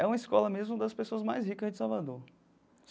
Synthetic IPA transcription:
ɛũmɐiskɔlɐmezmʊd̪ɐspesoɐzmajzɦikɐzd͡ʒɪsawvad̪oɾ

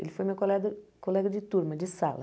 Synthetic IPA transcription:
ḛlɪfojmewkolɛd̪ɐkolɛɡɐd͡ʒɪt̪uɾmɐd͡ʒɪsalɐ̰

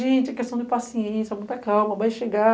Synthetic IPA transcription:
ʒẽt͡ʃɪɐkest̪ɐ̃w̃d̪ɪpasieẽsjɐmũj̃t̪ɐkawmɐvajʃeɡa

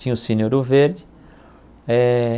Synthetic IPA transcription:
ĩɲʊsĩnoɾʊveɾd͡ʒɪ | ɛ

